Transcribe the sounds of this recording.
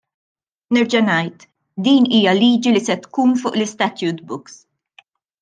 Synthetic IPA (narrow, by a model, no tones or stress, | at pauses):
nɪɾd͡ʒɐnɐjt̪ | d̪iːniːjɐliːd͡ʒilisɛt̪kuːnfʊːʔlɪst̪ɐt̪juːt̪̚bʊks